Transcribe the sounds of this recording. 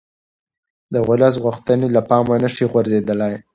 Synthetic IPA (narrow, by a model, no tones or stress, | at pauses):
d̪əɣʊlas̬ɣʊxt̪ənelapɑmanəʂiɣwaɾzed̪əlaj